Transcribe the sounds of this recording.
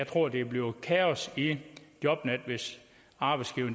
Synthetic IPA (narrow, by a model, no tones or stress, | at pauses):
ɑɪt͡sʰʁo̝ɐ̰d̥e̝b̥le̝ʊkʰæɒsid̥jɒ̽b̥næd̥ʋe̝s | ɑ̈b̥ɑ̈ɪsɡ̥iʊn